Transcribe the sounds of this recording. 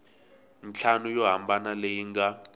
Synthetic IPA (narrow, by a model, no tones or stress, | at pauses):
nt͡ɬʰanujɔɦambanalejiŋɡa